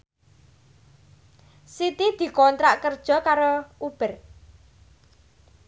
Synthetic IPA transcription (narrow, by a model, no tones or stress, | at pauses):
sit̪id̪̥i̤kɔnt̪ɾaʔkərd̥ʒ̥ɔ̤kaɾoub̥ə̤r